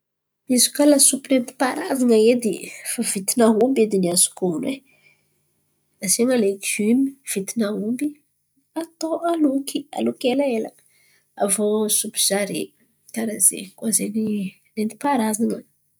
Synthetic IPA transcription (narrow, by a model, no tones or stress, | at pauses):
izu̥kalasupiɾent̪i̥paɾazaŋəed̪ifav̥it̪inaɦumbed̪iniasu̥koune | aseŋaleɡymiv̥it̪inaumbi | at̪oʔalukia̰lukelaelə | a̰voasupizaɾe | taɾazḛkazeni | rent̪i̥paɾazaŋə